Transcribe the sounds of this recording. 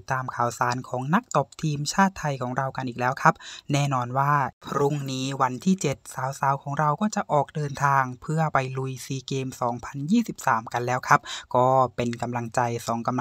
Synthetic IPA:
t̪ːaː˧mkʰaː˨˩wsaː˩˦nkʰɔː˩˦ŋna˦˥k̚t̪o˨˩p̚t̪ʰiː˧mt͡ɕʰaː˥˩t̪ʰːa˧jkʰɔː˩˦ŋɾa˧wka˧nʔiː˨˩k̚lɛː˦˥wkʰa˦˥p̚nɛː˥˩nɔː˧nwaː˥˩pʰɾu˦˧˥ŋniː˦˥wa˧nt̪ʰiː˥˩t͡ɕe˨˩t̪̚saː˩˦wsaː˨˩˦wkʰɔː˩˦ŋɾa˧wkɔː˥˩t͡ɕa˨˩ʔɔː˨˩k̚dɤː˧nt̪ʰaː˧ŋpʰɯ˥˩ɐpa˧jlu˧jsiː˧keː˧msɔː˩˦ŋpʰa˧njiː˥˩si˨˩p̚saː˩˦mka˧nlɛː˦˥wkʰa˦˥p̚kɔː˥˩pe˧nka˧mla˧ŋt͡ɕa˧jsɔː˩˦ŋka˧m

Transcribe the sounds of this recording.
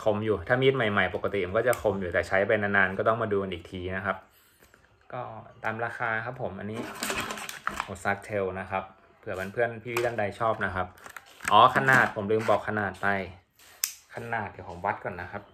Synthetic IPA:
kʰo˧mjuː˨˩t̪ʰaː˥˩mi˦˥t̪̚ma˨˩jma˨˩jpo˨˩kːa˧t̪i˨˩˧kɔː˥˩t͡ɕa˨˩kʰo˧mjuː˨˩t̪ɛː˨˩t͡ɕʰa˦˥jpa˧naː˧naː˧nkɔː˥˩t̪ɔ˥˩ŋmaː˧duː˧ka˧nʔiː˨˩k̚t̪ʰiː˧na˦˥kʰa˦˥p̚ | kɔː˥˩t̪aː˨˧mɾaː˧xaː˧kʰa˦˥pʰːo˩˦mʔa˧nːiː˦˥ | ʔo˨˩sa˦˥k̚t̪ʰe˧wna˦˥kʰa˦˥p̚ | pʰɯ˨˩ɐba˧npʰɯ˥˩ənpʰiː˥˧i˦˥˩t̪ʰa˥˩nda˧jt͡ɕʰɔː˥˩p̚na˦˥kʰa˦˥p̚ʔɔː˨˩˦kʰa˧naː˨˩t̪̚pʰo˩˦mlɯː˧mbɔː˨˩kʰːa˧naː˨˩t̪̚ːa˧˩j | kʰa˧naː˨˩t̪̚ji˨˩kʰɔː˩˦ŋwa˦˥t̪̚kɔː˨˩nːa˦˥xʰa˦˥p̚

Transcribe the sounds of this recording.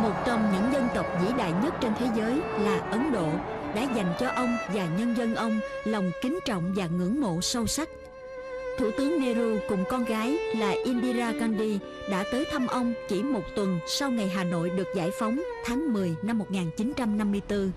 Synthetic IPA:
mo˨˩t̚t͡ɕɔ˧wŋ͡mɲɨ̰˧˥ŋzə˧nt̪ə˨˩wk͡p̚zḭ˧˥ɗa̰ː˧˨jɲə˦˥t̚t͡ɕe˧nt̪ʰe˨˦zəː˨˦jlaː˨˩ʔə˨˦nɗo̰˧˨ɗa̰ː˧˥za˨˩jŋ̟t͡ɕɔ˧ʔə˧wŋ͡mvaː˨˩ɲə˧nzə˧nʔə˧wŋ͡mlɔ˨˩wŋ͡mkï˨˦ŋ̟t͡ɕɔ̰˧˨wŋ͡mvaː˨˩ŋɨ̰˧˥ŋmo̰˧˨sə˧wsa˦˥k̚ | t̪ʰṵ˧˩t̪ɨ˨˦əŋme˧lu˧kʊ˨˩ŋ͡mkɔ˧nɣaː˨˦jlaː˨˩ʔi˧nɗi˧zaː˧ka˧nɗi˧ | ɗa̰ː˧˥t̪əː˨˦jt̪ʰə˧mʔə˧wŋ͡mt͡ɕi˧˩mo˨˩t̚t̪wə˨˩nsa˧wŋa˨˩jɦaː˨˩no̰˧˨jɗɨ˨˩ək̚za̰ː˧˩jfa˨˦wŋ͡mt̪ʰaː˨˦ŋmɨ˨˩əjna˧mːo˨˩t̚ŋaː˨˩nt͡ɕi˨˦nt͡ɕa˧mna˧mːɨ˧əjt̪ɨ˧

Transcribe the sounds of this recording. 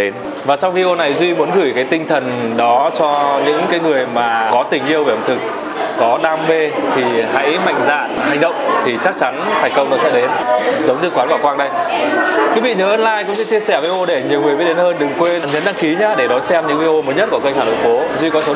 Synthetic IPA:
e˨˦n | vaː˨˩t͡ɕɔ˧wŋ͡mvi˧e˧o˧na˨˩jzwi˧mu˨˦ənɣɨ˧˩jkaː˨˦jt̪ï˧ŋt̪ʰə˨˩nɗɔ˨˦t͡ɕɔ˧ɲɨ̰˧˥ŋkaː˨˦jŋɨ˨˩əjmaː˨˩kɔ˨˦t̪ï˨˩ŋ̟ʔi˧əwve˧˩ʔə˨˩ŋ͡mt̪ʰɨ˨˩k̚ | kɔ˨˦ɗaː˧mve˧t̪ʰi˨˩ha̰˧˥jma̰˧˨jŋ̟zaː˧˩na˨˩ha˨˩ŋɗə̰˧˨wŋ͡mt̪ʰi˨˩t͡ɕa˦˥k̚t͡ɕa˨˦nt̪ʰa˨˩ŋ̟kə˧wŋ͡mnɔ˨˦zə̰˧˥ɗe˨˦nzə˨˦wŋ͡mɲɨ˧kwaː˨˦nkwaː˧˩kwaː˧ŋɗə˧jkwi˨˦vḭ˧˨ɲəː˨˦ʔəː˧nlaː˧jkʊ̰˧˥ŋ͡msɨ̰˧˥t͡ɕi˧əsɛ˧˩vi˧ʔo˧ɗe˧˩ɲi˨˩əwŋɨ˨˩jɓi˦˥t̚ɗe˨˦nhəː˧nɗɨ˨˩ŋkwe˧na˨˩nɲə˨˦nɗa˧ŋki˨˦ɲaː˧ɗe˧˩ɗɔ˨˦jsɛ˧mɲɨ̰˧˥ŋvi˧o˧məː˨˦ɲə˦˥t̚ku˧˩kə˧nxaː˧˩ɗo̰˧˨fo˨˦zwi˧kɔ˨˦sə˨˦

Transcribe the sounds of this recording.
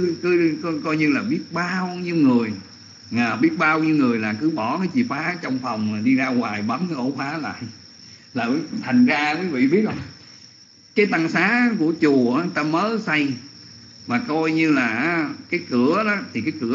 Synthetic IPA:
ɨ˨˦kɨ˨˦ɔ˧kɔ˧jɲɨ˧laː˨˩ɓi˦˥ət̚ɓaː˧wɲi˧wŋɨ˨˩əj | aː˨˩ɓi˦˥ət̚ɓaː˧wɲi˧wŋɨ˨˩əjlaː˨˩kɨ˨˦ɓɔ˧˩nɔ˨˦t͡ɕḭ˧˨faː˨˦˧t͡ɕɔ˧wŋ͡mfɔ˨˩wŋ͡mmaː˨˩ɗi˧zaː˧ɣwaː˨˩jɓa˨˦nnɔ˨˧˦ʔo˧˦faː˨˦la̰ː˧˨jʔ | laː˨˩ki˨˦t̪ʰa˨˩jŋ̟zaː˧ki˨˦vḭ˧˨ɓi˦˥ət̚ɔ˧ | kaː˨˦jt̪a˧ŋsaː˨˦˥ku˧˩ət͡ɕu˨˩ʔaː˨˦t̪a˧məː˨˦sa˧j | maː˨˩kɔ˧jɲɨ˧laː˨˩ʔkaː˨˦jkɨ˧˩˦əɗɔ˨˦t̪ʰi˨˩kaː˨˦jkɨ˧˩ə

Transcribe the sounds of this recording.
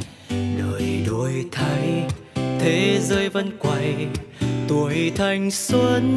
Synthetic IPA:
ɗəː˨˩jɗo˧˩jt̪ʰa˧j | t̪ʰe˨˦zəː˧jvə˧nkwa˧˩j | t̪u˨˩əjt̪ʰa˧jŋ̟su˧ən

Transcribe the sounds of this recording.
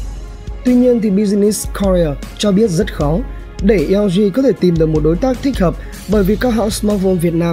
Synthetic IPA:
t̪wi˧ɲi˧ənt̪ʰi˨˩ɓi˧zi˧ni˦˥skʰɔ˧ɹi˧ə˨˩t͡ɕɔ˧ɓi˦˥ət̚zə˦˥t̚xɔ˨˦ | ɗe˧˩ʔwzi˧kɔ˨˦t̪ʰe˧˩t̪i˨˩mɗɨ˨˩ək̚mo˨˩t̚ɗo˨˦jt̪aː˦˥k̚t̪ʰi˦˥k̟̚həː˨˩p̚ | ɓəː˧˩jvi˨˩kaː˦˥kɦa̰ː˧˥wsmɔ˧˥vo˧nvi˨˩ət̚naː˧m

